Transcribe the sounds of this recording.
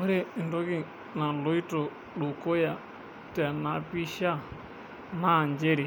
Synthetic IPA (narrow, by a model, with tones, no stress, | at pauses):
ɔ˦ɾe˦˨ndɔ˦ki˦ | na˨lo˨˦i˦to˨ | ɗu˨ko˦ja˨ | ta˨na˨pi˦ʃa˦˨ | na˦˨nd͡ʒe˦ɾi˨